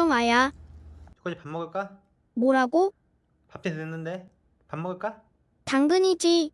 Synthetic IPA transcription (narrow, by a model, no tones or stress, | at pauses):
omaja | jokad͡ʑipamːʌɡɯɭk͈a | moɾaɡo | pap̚t͡ɕ͈enenːɯnde | pamːʌɡɯɭk͈a | taŋɡɯɲid͡ʑi